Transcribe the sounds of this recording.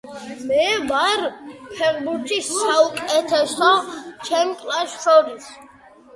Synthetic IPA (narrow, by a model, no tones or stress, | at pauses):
mɛvaɾpʰɛɾbuɾt̪ʰisːaukʼɛt̪ʰɛsɔt͡ʃʰɛmkʼlaʃʃɔɾis